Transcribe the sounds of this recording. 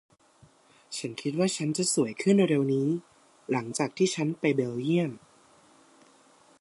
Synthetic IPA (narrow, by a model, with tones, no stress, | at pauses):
t͡ɕʰa˦˥nkʰi˦˥t̪̚waː˥˩t͡ɕʰa˦˥nt͡ɕa˨˩su˩˦əjkʰɯ˥˩ndo˧jɾe˧wniː˦˥ | la˩˦ŋt͡ɕaː˨˩k̚t̪ʰiː˥˩t͡ɕʰa˦˥npa˧jbe˧wji˥˩əm